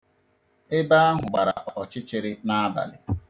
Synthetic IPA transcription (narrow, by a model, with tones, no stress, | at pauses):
ɪ˦ba˦a˦ɦʊ˨ɡ͡ba˨ɾa̰˨ʔʔɔ˨t͡ʃɪ˦t͡ʃɪ˨ɾɪ˦na˦ba̰˨lɪ˨